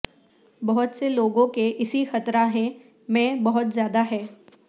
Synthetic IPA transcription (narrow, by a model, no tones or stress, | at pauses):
bɐɦʊt̪seloːɡõkeʔɪsixɐt̪ɾaɦɛ̃ | mɛ̃ːbɐɦʊt̪zjaːd̪aɦɛː